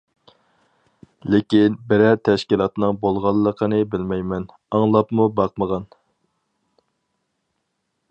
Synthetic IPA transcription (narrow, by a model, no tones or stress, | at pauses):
lɪkʲinbɪɾɛɾt̪ʰɛʃkʲilˠɑt̪nɨŋbolˠʁɑlˠːəqʰənɨbɪlmɛjmɛn | ɑŋlˠɑpmubɑq̚məʁɑn